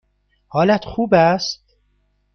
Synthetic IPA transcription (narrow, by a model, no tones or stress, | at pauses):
hɒːlæt̪xuːbæst̪̚